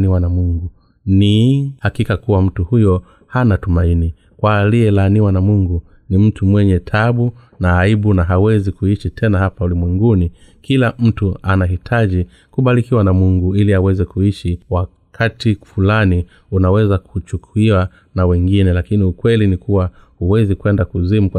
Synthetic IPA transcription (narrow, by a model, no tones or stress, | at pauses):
niwanamuŋɡu | nihakikakuwam̩tuhujɔ | hanatumaini | kwaliɛlaniwanamuŋɡu | nim̩tʰumwɛɲɛtʰaɓu | naːiɓunaɦawɛzikuiʃitʰɛnahapaulimwɛŋɡuni | kilam̩tuanaɦitʰaʄi | kuɓalikiwanamuŋɡuiliawɛzɛkuiʃiwa | kʰatifulani | unawɛzakʰut͡ʃukʰuiwa | nawɛŋɡinɛlakiniukwɛlinikuwahuwɛzikwɛndakuzimuk